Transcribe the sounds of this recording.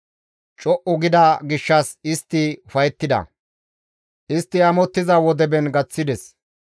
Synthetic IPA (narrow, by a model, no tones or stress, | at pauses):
t͡ʃʼɔʔʊɡɪd̪ɐɡɪʃːɐsɪst̪ːɪfɐjɛt̪ːɪd̪ɐ̰ | ʔɪst̪ːɪɐmɔt̪ːɪzɐwɔd̪ɛbɛnɡɐt͡sːɪd̪ɛs